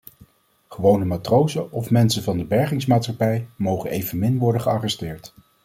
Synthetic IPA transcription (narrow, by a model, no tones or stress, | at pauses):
χəʋownəmaːtrowzəɔfmɛnsənvɑndəbɛɹχɪŋsmaːtsχɑpɛjmowχənejvənmɪnʋɔɹdəχəɑrɛstɪːɹt